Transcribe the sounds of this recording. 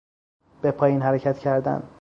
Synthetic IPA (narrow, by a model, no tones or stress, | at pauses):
b̥epʰɒːjiːnɦæɾecʰæt̪cʰæɾd̪æ̰n